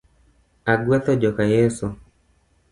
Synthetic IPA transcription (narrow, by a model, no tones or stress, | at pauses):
aɡwɛt̪ɔd͡ʒɔkajɛso